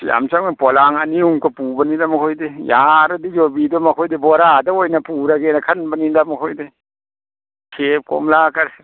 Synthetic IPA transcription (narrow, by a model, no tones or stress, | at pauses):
ja̰msaŋnpɔlaŋɐniuŋkɐpubɐnilamɐkʰojdejaɾɐdid͡ʒobidɔmɐkʰojdebɔɾadɐojnɐpuɾɐɡenɐkʰɐnbɐnidamɐkʰojde | kʰep̚ko̰mlakɐɾ